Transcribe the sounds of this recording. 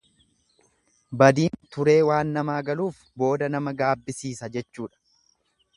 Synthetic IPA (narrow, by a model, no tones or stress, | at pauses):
bɐd̪iːnt̪ʊɾe̞ːwaːnːɐmaːɡɐluːf | bo̞ːd̪ɐnɐmɐɡaːbːɪsiːsɐd͡ʒɛt͡ʃːuːᶑɐ̥